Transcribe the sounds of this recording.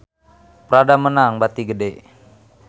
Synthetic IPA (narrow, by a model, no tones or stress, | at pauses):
pəɾadamənaŋbat̪iɡədeʔ